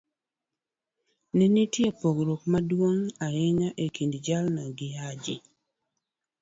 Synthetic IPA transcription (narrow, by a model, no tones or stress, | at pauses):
ninitjepoɡɾokmadwoŋaɪɲaʔekindd͡ʒalnaɡɪad͡ʒḭ